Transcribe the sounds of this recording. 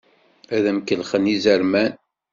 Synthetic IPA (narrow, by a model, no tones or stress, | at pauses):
æðæmkəlχənizəɾmæn